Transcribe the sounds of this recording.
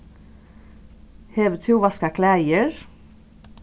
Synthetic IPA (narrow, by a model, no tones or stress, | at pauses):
heːʋət̪ʰuːʋɑskɑkʰlæɪəɹ